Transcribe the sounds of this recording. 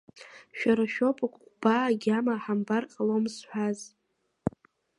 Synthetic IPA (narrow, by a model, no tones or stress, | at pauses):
ʃᶣaɾaʃᶣopʼakʷʼχʷb̥aːɡʲamaħambarqʼalomsħʷᶣaz